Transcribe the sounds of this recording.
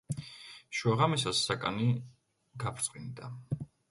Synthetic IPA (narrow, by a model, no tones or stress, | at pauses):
ʃwaʁamisasːakʼa̰ni | ɡapʰɾt̪sʼqʼind̪a